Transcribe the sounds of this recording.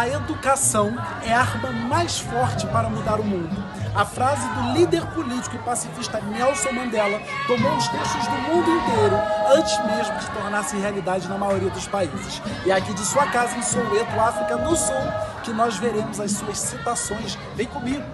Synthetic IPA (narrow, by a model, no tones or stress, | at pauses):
ɐed̪ukasɐ̃w̃ | ɛaɾmɐmajsfɔɾt͡ʃɪpaɾɐmud̪aɾʊmũnd̪ʊ | ɐfɾazɪd̪ʊlid̪eɾpolit͡ʃi̥kʊɪpasifiʃt̪ɐmĩɛwsomɐ̃d̪ɛlɐt̪omowʊst̪eʃt̪ʊzd̪ʊmũnd̪ʊĩnt̪ejɾʊɐ̃nt͡ʃɪzmeʒmʊd͡ʒɪt̪oɾnaɾsɪ̃healid̪ad͡ʒɪnɐmajoɾiɐd̪ʊspaizɪʃɪakid͡ʒɪsuɐkazɐ̃soet̪uafɾikɐnʊsuwkɪnɔzveɾẽmʊzɐssuɐssit̪asõj̃s | vẽj̃kõmiɡʊ